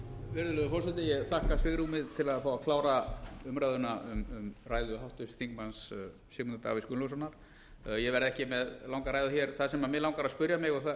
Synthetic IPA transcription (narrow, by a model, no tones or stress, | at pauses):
vɛɾðʏlʏðʏfɔlsɪt̪ɪjɛɣθahkasɪɣɾumɪðt̪ʰɪlaðfaːwakʰlaːwɾaʏmɾajðʏnaʏmʏmraːjðʏɦawht̪ʏsθiŋkmans | sɪːmunat̪a̰ːviskʏnlowsɔnːaɾ̥ | jɛvɛɾɛhcɪmɛðlawŋkaɾaːjðʏçɛɾ̥θaðsɛmamɪlawŋkaɾaðspʏɾjamɪɣɔɣθa